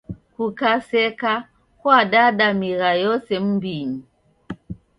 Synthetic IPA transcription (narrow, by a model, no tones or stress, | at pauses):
kukasɛka | kwaɗaɗamiɾajɔsɛm̩biɲi